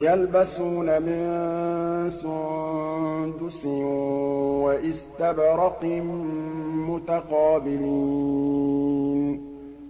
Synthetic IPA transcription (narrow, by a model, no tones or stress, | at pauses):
jalbasuːnamɪn | sʊ | d̪ʊsɪnwaʔɪst̪abɾɑqmmʊt̪aqɑːbɪliː | n